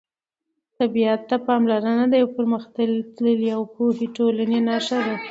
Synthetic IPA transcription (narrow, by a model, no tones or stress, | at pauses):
t̪abijat̪ːapɑmlaɾanad̪ajawpəɾməxt̪əlt̪ləliawpoheʈolanenɑʃad̪a